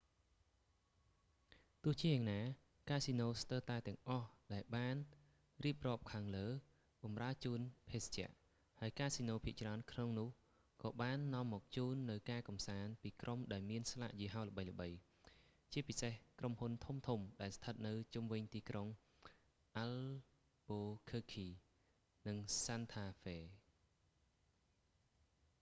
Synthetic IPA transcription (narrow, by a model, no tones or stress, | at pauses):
t̪ʊ̆əht͡ɕiəjaːŋnaː | kaːsinoːst̪əːt̪aɛt̪ɛ̆əŋʔɑhɗaɛlɓaːn | riəp̚rɔːp̚kʰaːŋləː | ɓɑmraət͡ɕuːnpʰeːst͡ɕɛ̆əʔ | haəjkaːsinoːpʰiəʔt͡ɕraənkʰnoŋnʊ̆əh | kɑːɓaːnːŏəmːɔːk̚t͡ɕuːnːɨwkaːkɑmsaːnpiːkrʔomɗaɛlmiənsla̰ʔjiəɦaːlə̆ɓəjlə̆ɓəj | t͡ɕiəpisehkromhunt̪ʰumt̪ʰumɗaɛlst̪ʰət̪̚nɨwt͡ɕumʋɨɲt̪iːkroŋ | ʔal | ɓoːkʰəːkʰiː | nɨŋsant̪ʰaːfeː